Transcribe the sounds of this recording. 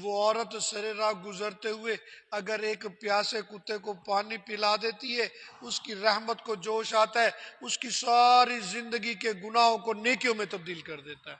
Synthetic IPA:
ʋoɔːɾət̪sɐɾeɾãːɡʊzəɾt̪eɦʊeɐɡəɾeːkpjaːsekʊt̪ːekopaːnipɪlad̪eːt̪iɦɛʊskiɾɛɦmət̪kod͡ʒoːʃaːt̪aɦɛʊskisaːɾizɪ̃nd̪əɡikeɡʊnaːɦõkoneːkijõmẽt̪ɐb̚d̪iːlkɐɾd̪eːt̪aɦɛː

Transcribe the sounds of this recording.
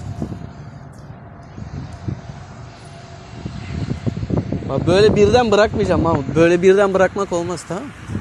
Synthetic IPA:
babøjlʲɛbiɾd̪ænbɯɾakmɯd͡ʒamːambøjlʲɛbiɾd̪ænbɯɾakmako̞lˠmast̪ʰa

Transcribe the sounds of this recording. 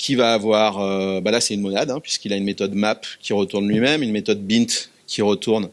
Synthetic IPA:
kʲʰivaːvwaʁøbalasɛynmɔnad̪ɛ̃pɥi̥skilaynmet̪ɔd̪mapkʲiʁət̪uʁnlɥimɛmynmet̪ɔd̪̚bint̪ | kʲʰiʁət̪uʁn

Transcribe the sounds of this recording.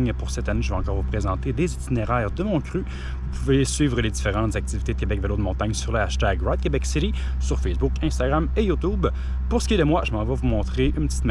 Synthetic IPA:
ɲpuʁsɛt̪aneʒəvɛɑ̃kɔːʁvupχezɑ̃t̪ed̪ezit̪ineʁɛːʁd̪əmɔ̃kʲʁy | vupʰuvesɥiːvʁəled̪ifeʁɑ̃t̪zak̚t̪ivit̪ed̪əkʲebɛkvelod̪əmɔ̃t̪aɲsyʁləaʃt̪aɡʁad̪̚kʲebɛksiʁi | syʁfɛsbukɛ̃st̪aɡʁamejut̪ub | puʁsə̥kʲied̪əmwaʒəmɑ̃vɔvumɔ̃t̪χeʔynpət͡s̪i̥t̪m

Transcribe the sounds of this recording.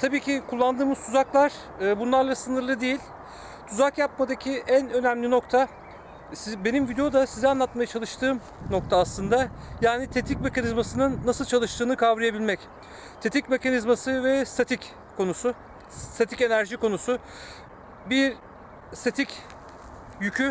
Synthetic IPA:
t̪ʰabiːcʰikʰulˠːand̪ɯːmɯz̥t̪ʰuzaklˠaɾ̥ | ɯːbunlˠaɾlˠasɯnɯɾlˠɯd̪ejilʲ | t̪ʰuzakjap̚mad̪acʰiʔænø̞næmlʲino̞k̚t̪ʰa | sbe̞nimvid̪ejo̞d̪asizɛanlˠat̪majat͡ʃʰalˠɯʃt̪ʰɯːm | no̞kt̪ʰaːslˠɯnd̪ajaːnit̪ʰet̪ʰic̚me̞kʰanizmasɯnɯnːasɯlˠt͡ʃʰalˠɯʃt̪ʰɯːnɯkʰavɾije̞bilʲmɛc | t̪ʰet̪ʰicme̞kʰanizmasɯvɛst̪ʰat̪ʰic | kʰo̞nusʊ | st̪ʰat̪ʰice̞næɾʒiko̞nusʊ | biɾ | st̪ʰet̪ʰic | jycʰy

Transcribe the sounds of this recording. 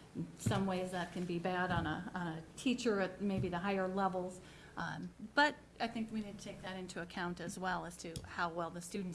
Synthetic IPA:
sʌ̃mweɪzðɨt̚kʰɨ̃nbibæɾn̩əə̃nɨtʰit͡ʃə˞ɨt̚meɪbiðɨɦaɪə˞lɛvl̩ˠz̥ | b̥ʌɾ | aɪθɪ̃ŋkwinid̚tʰɨtʰeɪk̚ðɨɾɪ̃ntʰʉɨkʰãʊ̃ntɨzwɛlˠəz̥tʰɨhaʊwɛlˠðɨstʉdⁿn̩

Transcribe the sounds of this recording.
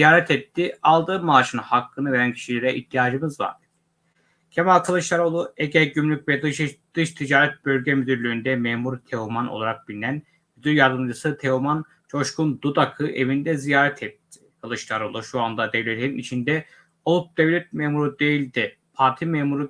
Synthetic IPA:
ijaːɾɛt̪ʰɛt̪ʰːialˠd̪ɯːmaːʃɯnhakʰːɯnɯve̞ɾæncʰi̥ʃilʲeɾɛʔiht̪ʰːijaːd͡ʒɯmɯzva̰ɾ | cʰemalkʰalˠɯʃlˠaɾo̞lˠueɟɛɟymlʲyc̚vɛd̪d̪̥ɯʃt̪ʰid͡ʒaːɾɛt̪̚bø̞lʲɟɛmyd̪yɾlʲyynd̪ɛmeːmuɾt̪ʰeumanolˠaɾak̚b̥ilʲinæn | myd̪yɾjaɾd̪ɯmd͡ʒɯsɯt̪ʰeuman | t͡ʃʰo̞ʃkund̪ud̪akʰɯʔe̞vind̪ɛzijaːɾɛt̪ʰɛt̪ʰːi̥kʰalˠɯʃlˠaɾo̞lˠuʃuand̪ad̪evlʲet̪ʰeɾinit͡ʃʰind̪ɛ | olˠup̚d̪̥evlʲɛt̪̚memuɾud̪e̞jilʲd̪i | pʰaɾt̪ʰimeːmuɾu

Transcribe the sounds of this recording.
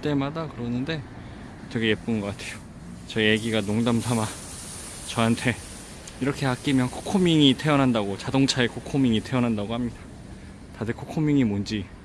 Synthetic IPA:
t͈e̞madakɯɾʌnɯnde̞ | t͈ʌɡʰejep̚p͈unɡʌk͈atʰejo | t͡ɕʌeje̞ɡiɡanoŋdamtʰama | t͡ɕʌɦantʰe̞ | iɾʌkʰe̞ak͈imjʌnkʰo̥kʰomiŋitʰe̞ʌnɦandaɡot͡ɕadoŋt͡ɕʰaekʰokʰomiŋitʰe̞ʌnɦandaɡohamɲidḁ | tadɯkʰokʰomiŋimond͡ʑi

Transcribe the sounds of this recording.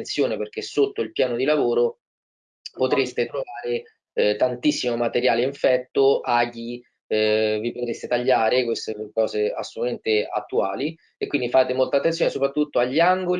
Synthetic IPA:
nt̪sjoːneperk̟esot̪ːoilpjaːnod̪ilavoːɾo | pot̪ɾest̪et̪ɾovaːɾe | t̪ant̪isːimomat̪eɾjaːleiɱfɛt̪ːoʔaki | vipot̪ɾest̪et̪aʎːaːɾekwest̪ekɔːzea̰sːolt̪ament̪ea̰t̪ːuaːli | ekːwind̪ifaːt̪emolt̪at̪ːensjoːnesopɾat̪ːut̪ːoaʎːiaŋɡoli

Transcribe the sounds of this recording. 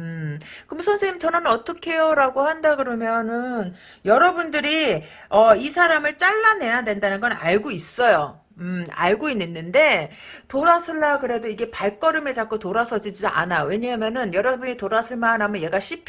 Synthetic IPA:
ɯkɯmsʰʌnsʰeɲimt͡ɕʌnɯnʌt͈ʌkʰe̞joɾaɡohandaɡɯɾʌmjʌnɯn | jʌɾʌbundɯɾi | ʌisʰaɾamɯɭt͡ɕ͈aɭːane̞jadwe̞ndanɯnɡʌna̰ɭɡois͈ʌjo | ɯa̰ɭɡoinːenːɯnde̞ | toɾasʰɯɭːaɡɯɾe̞doiɡe̞paɭk͈ʌɾɯme̞t͡ɕak͈otoɾasʰʌd͡ʑid͡ʑidoʔa̰najowe̞ɲamjʌnɯnjʌɾʌbuɲitoɾasʰɯɭmanamjʌnje̞ɡaɕʰipʰ

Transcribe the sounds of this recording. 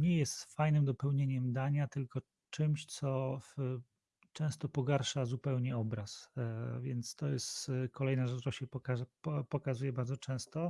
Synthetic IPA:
ɲɛjɛst̪fajnɘmd̪ɔpɛwɲeɲɛmd̪aɲat̪ɘlkɔ | t͡ʂɘmɕt̪sɔf | t͡ʂɛ̃st̪ɔpɔɡaɾʂazupɛwɲɛɔbɾasvʲjɛnt̪st̪ɔjɛst̪kʰɔlɛjnaʐɛt͡ʂɾɔɕɛpɔkaʐɛpɔpɔkazujɛbaɾd̪zɔt͡ʂɛ̃w̃st̪ɔ

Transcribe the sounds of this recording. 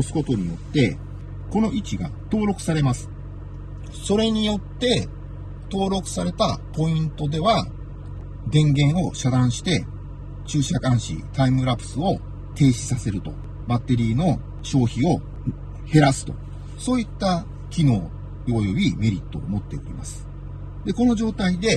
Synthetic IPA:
osɨ̥ko̞t̪o̞ɲ̟ijo̞t̪ːe̞ | ko̞no̞ʔit͡ɕiɡa̰ | t̪o̞ːɾo̞kɯ̟̥saɾe̞masɨ̥ | so̞ɾe̞ɲ̟ijo̞t̪ːe̞ | t̪o̞ːɾo̞kɯ̟̥saɾe̞t̪apo̞ĩnt̪o̞d̪e̞βa | d̪ẽ̞ŋɡẽ̞ɰ̃o̞ɕad̪ãɰ̃ɕi̥t̪e̞ | t͡ɕɨːɕakãɰ̃ɕḭt̪aimɯ̟ɾapɯ̟̥sɨo̞ | t̪e̞ːɕi̥sase̞ɾɯ̟t̪o̞̰ | bat̪ːe̞ɾʲiːno̞ | ɕo̞ːçio̞ | he̞ɾasɨ̥t̪o̞̰ | so̞ːit̪ːa | kʲino̞ː | ojo̞bʲime̞ɾʲit̪ːo̞̰ːmo̞t̪ːe̞o̰ɾʲima̰sɨ̥ | d̪e̞ko̞no̞ʑo̞ːt̪aid̪e̞

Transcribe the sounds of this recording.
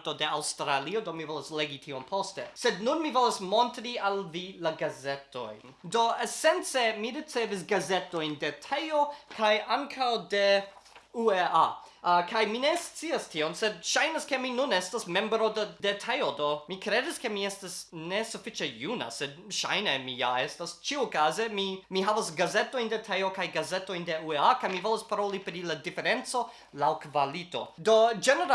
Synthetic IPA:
todeawstɾaliodomivolasleɡitʰiompʰostesed̚nunmivolasmontɾialvilaɡazeto̰jn | doesent͡semiɾit͡sevis̬ɡazetojndetʰejokʰajaŋkʰawde | uea | kʰajminest͡siastʰionsed̚ʃajnaske̞minunestasmẽ̞mbɾo̞ddetʰejodomikɾediske̞miestasnesufit͡ʃejuna̰sed̚ʃa̰jnemija̰estast͡ʃiukaze̞mimiɦavasɡazeto̞jndetʰejokajɡazeto̞jnde̞ueakajmivolospaɾolipɾiladifeɾent͡so̞ | lawkvalito̰dod͡ʒeneɾ

